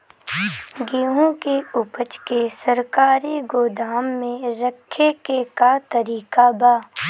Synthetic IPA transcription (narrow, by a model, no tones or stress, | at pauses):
ɡeːɦõkeʊpət͡ʃkesəɾkaːɾiɡoːd̪aːmːẽɾəkʰːekekat̪əɾiːkabaː